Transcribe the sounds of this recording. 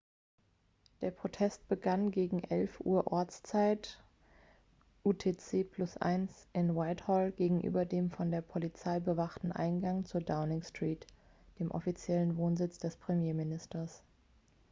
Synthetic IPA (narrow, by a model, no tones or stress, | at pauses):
d̥eːɐpʁ̥otʰɛst̚b̥əɡanɡeːɡŋ̩ʔɛlfʔṵːɐʔɔɐt͡st͡saɪt | ʔuːtʰeːt͡seːpʰl̥ʊsʔa̰ɪnsʔɪnwaɪthɔlɡeːɡŋ̩ʔy̰ːbɐdeːmfɔndeːɐpʰolit͡saɪbəvaχtn̩ʔa̰ɪnɡaŋt͡suːɐdaʊnɪŋstʁ̥iːt | d̥eːmʔɔ̰fit͡sjɛlənvoːnzɪt͡sd̥ɛspʁ̥emjeːmɪnɪstɐs